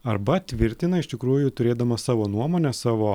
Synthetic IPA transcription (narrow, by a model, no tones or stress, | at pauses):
ɐɾbɐt̪ʲʋʲɪɾʲt̪ʲɪnɐɪʃʲt̪ʲɪkɾuːjʊt̪ʊɾʲeːd̪ɐmɐsɑːʋoːnuɔmoːnʲɛsɑːʋoː